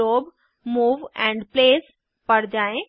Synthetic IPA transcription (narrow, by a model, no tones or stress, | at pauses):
oːb | muːʋɛ̃ːɳɖpleːs | pɐɽd͡ʒaːẽ